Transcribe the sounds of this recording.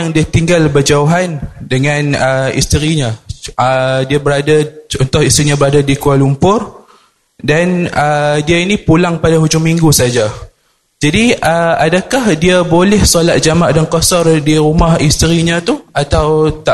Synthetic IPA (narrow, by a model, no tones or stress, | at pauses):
ŋdiat̪iŋɡalbərd͡ʒauɦandəŋãnəḭst̪əɾiɲãədiabəɾadaunt̪ʊʔist̪ɾiɲãbəɾadadikualumpʊr | danədiainipulaŋpadaɦud͡ʒʊŋmiŋɡusad͡ʒa | d͡ʒadiəadakahdiabolɛhsolat̪̚d͡ʒamaʔdankɔsɔrdiɾumahist̪əɾiɲat̪uat̪awt̪a